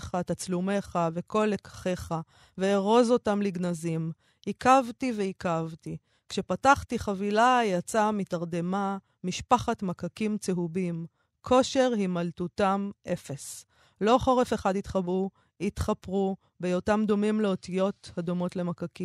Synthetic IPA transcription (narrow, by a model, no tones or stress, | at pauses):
χatat͡slume̞χave̞ko̞lekḁχe̞χa | veːʁo̞zo̞tamliɡnazim | hikavtiveikavti | kʃe̞pataχtiχavilajat͡samitaʁde̞ma | miʃpaχatmakakimt͡seɦubim | kʰo̞ʃe̞ʁhimaltutamʔe̞fe̞s | lo̞χo̞ʁe̞fe̞χad̪it̪χabu | hit̪χapʁu | bejotamd̪o̞mimleo̞tijo̞thad̪omo̞tle̞makaki